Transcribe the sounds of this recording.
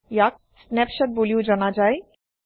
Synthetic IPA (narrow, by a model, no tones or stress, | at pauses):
jak̚ | snɛpʃaɾboliod͡ʑɔnad͡ʑae